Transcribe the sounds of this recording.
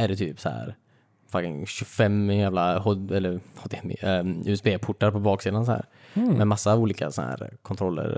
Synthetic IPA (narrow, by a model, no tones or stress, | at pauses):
æɖɛt̪ʰyːpsɔhæ̰ːɾ | fakɪ̰ŋɕɵfɛmjæːvlaɦɔd̪ɛlːəɾɔd̪mɪ̰ʉɛsbeːpʰʊʈːaɾpɔbɑːksiːd̪ans̬ɔhæ̰ːɾmɛmasːauːliːka̰sɔnhæ̰ːɾkʰɔnt̪ʰɾɔlːə̰ɾ